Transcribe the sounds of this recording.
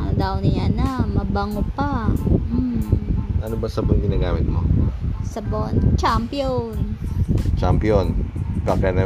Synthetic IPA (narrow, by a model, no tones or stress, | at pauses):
d̪awnɪjanamɐbaŋopam̩ | ʔɐnobɐsɐboŋɡɪnaːɡaːmɪt̪̚mo̰sɐbont͡ʃampijon | t͡ʃampionkɐkanɐ